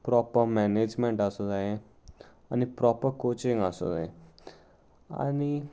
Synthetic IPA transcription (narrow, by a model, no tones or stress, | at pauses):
pɾɔpəɾmɛned͡ʒmẽɳʈasod̪aje | anipɾɔpəɾkot͡ʃiŋɡaso̰d̪a̰e | a̰ni